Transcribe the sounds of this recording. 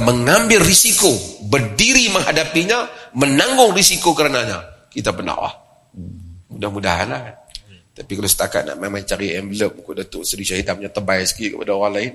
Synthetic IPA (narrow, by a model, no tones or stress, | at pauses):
məŋambɪlːisikobərdiɾiməŋɦadapiɲamənaŋɡʊŋrisikokəɾənaɲa̰kit̪abəna̰ʔla̰h | mudahmudaɦa̰nlat̪apikalosə̥t̪aka̰t̪̚na̰ʔmamaŋt͡ʃaɾiɛmbələp̚ukʊʔdat̪ʊʔsədisaɦit̪amɲat̪ərbaɛsə̥kikəpadaoɾaŋlaɪn